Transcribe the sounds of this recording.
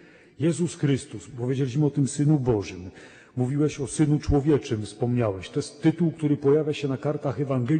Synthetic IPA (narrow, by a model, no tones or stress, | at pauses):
jɛzusxɾɘst̪uspɔvʲjed͡ʑelʲiɕmɘɔt̪ɘmsɘnubɔʐɘmː | uvʲiwɛɕɔsɘnut͡ʂwɔvʲjɛt͡ʂɘmfspɔmɲawɛɕt̪ɔjɛst̪ːɘt̪uwkt̪uɾɘpɔjavʲjaɕɛnakaɾt̪axɛvaŋɡɛ